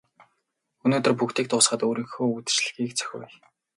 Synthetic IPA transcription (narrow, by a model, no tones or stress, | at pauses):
ɵnoːt̪ɵ̆rpukt̪ʰiːk̚t̪ʰʊːsχə̆t̪oːɾiːŋxoːut̪̆t͡ɕɮ̆xiːk̚t͡sʰœ̥xʲʊ̰ːj